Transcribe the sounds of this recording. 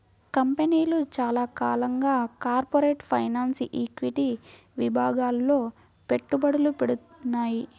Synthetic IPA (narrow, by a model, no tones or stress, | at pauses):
kɐmpeniːlut͡ʃaːlaːkaːlɐŋɡaːkaːɾpoɾeːʈpʰɐjnaːnsʔiːkʋiʈi | ʋibʱaːɡaːlːo̞ː | pe̞ʈːubɐɽulupeɽut̪nːaːji